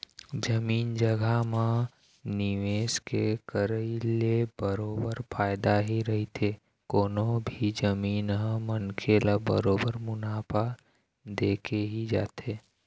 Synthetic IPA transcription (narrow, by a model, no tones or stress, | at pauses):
d͡ʒəmiːnd͡ʒəɡʱama | niʋeːskekəɾəilebəɾoːbəɾpʰaːɪd̪aɦiɾəɦit̪ʰe | koːnõbʱid͡ʒəmiːnɦə̃mənkʰelabə̰ɾoːbəɾmʊnaːpʰa | d̪eːkʰeɦid͡ʒa̰ːt̪ʰeː